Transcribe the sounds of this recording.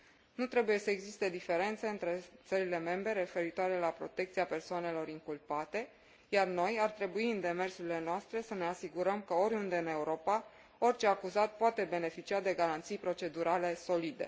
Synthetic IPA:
nut̪ɾe̞buje̞səeɡzist̪e̞d̪ife̞ɾe̞nt̪seɨnt̪ɾe̞t̪səɾile̞me̞mbɾe̞ɾe̞fe̞ɾit̪oaɾe̞lapɾo̞̰t̪e̞k̚t̪siape̞rsoane̞lo̞ɾiŋkulpat̪e̞ | jarno̞jart̪ɾe̞buiɨnd̪e̞me̞rsuɾile̞noast̪ɾe̞səne̞asiɡuɾəmkəo̞ɾʲund̪e̞ɨne̞uɾo̞pa | o̞rʲt͡ʃe̞akuzat̪̚poat̪e̞be̞ne̞fit͡ʃiad̪e̞ɡaɾant̪sijpɾo̞t͡ʃe̞d̪uɾale̞so̞lid̪e̞̰

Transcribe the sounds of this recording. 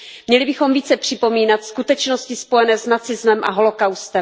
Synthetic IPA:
mɲɛlɪbɪxo̞mviːt͡sɛpr̥ɪpo̞miːnat̪skut̪ɛt͡ʃno̞scɪspo̞jɛnɛːznat͡sɪzmɛmʔa̰ɦo̞lo̞kawst̪ɛm

